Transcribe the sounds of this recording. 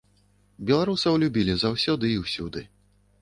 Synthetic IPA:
bʲɛlˠaɾusɐwlʲubʲilʲizawsʲɔd̪ɨːwsʲɔd̪ɨ

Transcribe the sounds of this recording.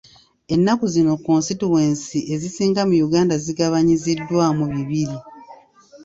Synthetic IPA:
e̞nːakuzino̞konsituweːnsiʔe̞zisiːŋɡamujuɡaːndaziɡaβaɲizidːwaːmuβiβiɾi

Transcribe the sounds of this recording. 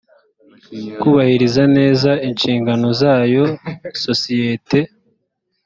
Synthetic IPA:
kuβahiɾizane̞ːzainʃiːŋɡano̞zaːjo̞so̞sijete̞

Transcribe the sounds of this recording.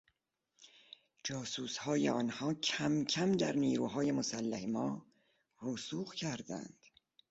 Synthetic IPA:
d͡ʒɒːsuːshɒːjḛɒːnhɒːcʰæmcʰæmd̪æɾniːɾuːɦɒːje̞mosælːæhemɒː | rusuːɣcʰæɾd̪æ̰nd̪̥

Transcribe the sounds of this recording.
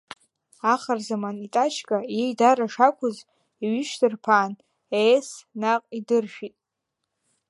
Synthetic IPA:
aχarzamanitʼat͡ʃʰkʼajejdaɾaʂakʷʰʊz | iɥiʃdɨrpʰaːn | esnaqʼidɨrʃᶣitʼ

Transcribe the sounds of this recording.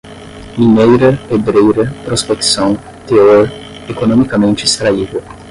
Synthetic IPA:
minejɾɐebɾejɾɐpɾospeksɐ̃w̃ | t̪eoɾ | ekonõmikɐmẽnt͡ʃɪist̪ɾaid̪ɐ

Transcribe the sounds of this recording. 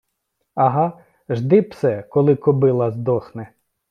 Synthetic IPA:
ɐɦɑ | ʒd̪ɪpsɛkɔlˠɪkɔbɪlˠɐzd̪ɔxnɛ

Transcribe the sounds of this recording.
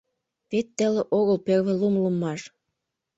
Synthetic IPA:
pet̪ːə̆lĕʔoɣəlperβĕlumlumːɑʃ

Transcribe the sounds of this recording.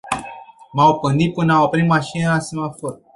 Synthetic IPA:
maop̚kɨnd̪it̪̚pɨnaopɾit̪̚maʃinelasimafor

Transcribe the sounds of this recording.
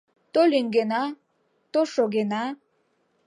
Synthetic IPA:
t̪ʼoliŋɡena | t̪ʼoʂoɡena

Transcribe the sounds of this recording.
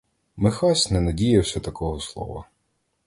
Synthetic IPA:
mɪxɑsʲnɛnɐdʲijɐwsʲɐt̪ɐkɔɦɔslˠɔ̰ʋɐ̰

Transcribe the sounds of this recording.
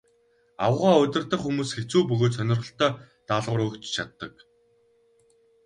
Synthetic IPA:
a̰wəʁaːʊt̪ʲɪ̆rt̪ə̆χxumuːsxet͡suːpɵɣoːt̪sœnʲɪ̆rʁə̆ɬt̪œː | t̪aɮʁʊːɾɵkt͡ɕt͡ɕʰat̪ːə̆k

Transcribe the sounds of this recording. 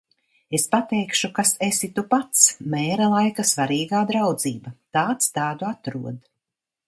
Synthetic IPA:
espat̪ɛjkʃukasesit̪upat̪smɛːɾalˠajkasvaɾiːɡaːd̪ɾawd̪z̥iːbat̪aːt̪st̪aːd̪uat̪ɾuɔd̪

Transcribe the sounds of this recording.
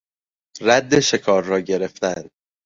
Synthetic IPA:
ræd̪ːe̞ʃe̞kʰɒːɾːɒːɟe̞ɾe̞ft̪æn

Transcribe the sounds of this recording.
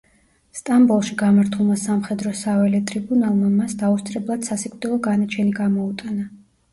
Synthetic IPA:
st̪ʼambulˠʃiɡamaɾt̪ʰulˠmasamχɛd̪ɾɔsavɛlɛt̪ʼɾibunalˠmamasd̪aut̪sʼɾɛblˠad̪̥sasikʼvd̪ɛlˠɔɡanat͡ʃʰɛniɡamɔut̪ʼana

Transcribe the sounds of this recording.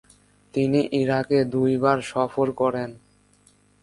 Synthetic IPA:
t̪iniʔiɾaked̪ujbaɾʃɔfoɾkɔɾen

